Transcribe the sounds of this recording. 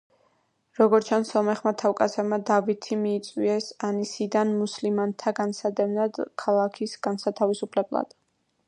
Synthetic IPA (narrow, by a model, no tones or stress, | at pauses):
ɾɔɡɔɾt͡ʃʰansɔmɛχmat̪ʰawkʼasɛmad̪avit̪ʰimiːt̪sʼwiɛsanisid̪anmuslimant̪ʰaɡansad̪ɛmnad̪kʰalˠakʰisɡ̥ansat̪ʰavisupʰlɛblˠa̰d̪̥